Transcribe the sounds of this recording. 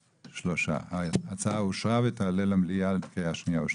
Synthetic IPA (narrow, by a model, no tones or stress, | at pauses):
ʃloʃa̰at͡saːuʃaːʋet̪alelɐmlialt̪kejaʃniau